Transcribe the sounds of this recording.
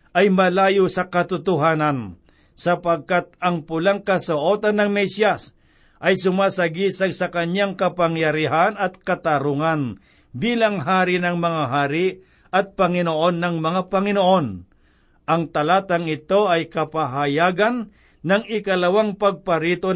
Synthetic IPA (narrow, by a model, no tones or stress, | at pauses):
ʔɐjmɐlaːjosɐkɐt̪ʊt̪ʊɦaːnɐn | sɐpɐɡ̚kat̪̚ɐŋpʊlaŋkɐsoʔoːt̪ɐnːɐŋmɛsjas | ʔɐjsʊmaːsɐɡisɐsɐkɐɲaŋkɐpɐŋjɐɾiɦanɐt̪̚kɐt̪ɐɾʊŋan | biːlɐŋɦaːɾinɐŋmɐŋaɦaːɾɪ | ɐt̪̚pɐŋɪnoʔonːɐŋmɐŋapɐŋɪnoʔo̞n | ʔɐŋt̪ɐlaːt̪ɐŋɪt̪o̞ʔɐjkɐpaɦajaːɡanː | ɐŋɪkɐlɐwaŋpɐɡ̚pɐɾiːt̪o